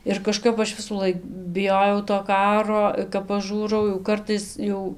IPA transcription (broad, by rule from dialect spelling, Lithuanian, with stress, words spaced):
ɪr kɐˈʃkɐp ˈɐʃ ʋʲɪsuːˈlˠɐɪk bʲɪˈjoːjɛʊ toː ˈkɑːroː kɐp pɐˈʒuːrɐʊ jɛʊ ˈkɐrtɐɪs ˈjɛʊ